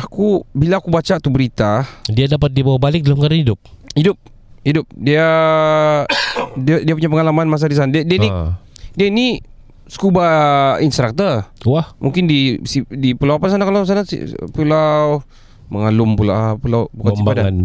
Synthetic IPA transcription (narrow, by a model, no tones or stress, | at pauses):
akubilaːkubat͡ʃat̪ubəɾit̪adiadapat̪̚dibawabalɪk̚dalamkadaidʊp̚idʊp̚ | hidʊp̚dia | diadiapuɲapəŋalamanmas̬adis̬andiadianidiaini | skubainst̪ɾak̚t̪ərwahmʔuŋkɪndisidipulawapas̬anakalaws̬anasḭpulaw | məŋalʊmpulapulawbukasibadaan